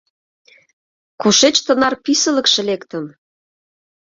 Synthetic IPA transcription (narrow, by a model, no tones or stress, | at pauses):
kuʃet͡ɕt̪ənɑrpisə̆lə̆kʃĕlekt̪ə̆m